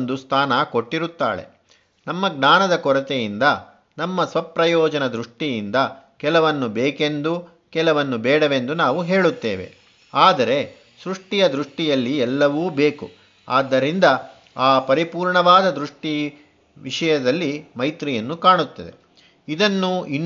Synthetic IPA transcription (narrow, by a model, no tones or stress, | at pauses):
nd̪ust̪ʰaːnɐkoʈːiɾut̪ːa̰ːɭḛ | nɐmːɐɡnaːnɐd̪ɐkɔɾɐt̪ejind̪ɐ | nɐmːɐsʋɐpɾɐjɔːd͡ʒɐnɐd̪ɾuʂʈijind̪ɐkɛlɐʋɐnːubeːke̞nd̪u | kɛlɐʋɐnːubɛːɽɐʋe̞nd̪unaːʋuɦe̞ːɭut̪ːeːʋe̞̰ | aːd̪ɐɾe̞ | sɾuʂʈijɐd̪ɾuʂʈijɐlːiɛlːɐʋuːbeːku | a̰ːd̪ːɐɾind̪ɐ | aːpɐɾipuːɾɳɐʋaːd̪ɐd̪ɾuʂʈi | ʋiʂɐjɐd̪ɐlːimɐjt̪ɾijɐnːukaːɳut̪ːɐd̪e̞̰ | id̪ɐnːuinː